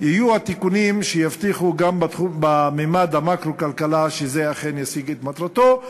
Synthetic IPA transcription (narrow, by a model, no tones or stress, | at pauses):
jijuat̪ikunimʃejaft̪iχuɡambatubamemad̪amakɾokalkalaʃezeaχe̞njasiɡet̪mat̪ʁat̪o̞